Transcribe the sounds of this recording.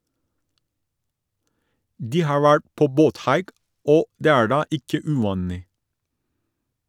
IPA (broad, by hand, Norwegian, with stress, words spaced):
ˈdiː ˈhɑːɹ ˈʋæɹʈ ˈpoː ˈboːtˌhɑɪk ˈoː ˈdeː ˈæːɹ ˈɖɑː ˈʔɪkə ʉˈʋɑːnɪ